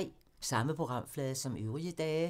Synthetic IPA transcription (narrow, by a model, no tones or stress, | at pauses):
sɑ̈məpʰo̝ɡ̥ʁɑ̈m̰flɛːðˠɐsɒ̽møʊʁiəd̥ɛː